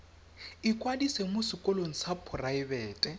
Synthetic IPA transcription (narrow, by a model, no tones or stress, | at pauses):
ikʼwadisemʊsɪkʼɔloŋ̩sapʰʊraɪbɛːtʼɛ